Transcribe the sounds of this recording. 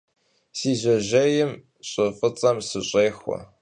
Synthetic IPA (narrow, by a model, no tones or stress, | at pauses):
siːʑɐʑejɪm | ɕʼɐfɨt͡sʼɐmsɨɕʼeːxʷɔ̰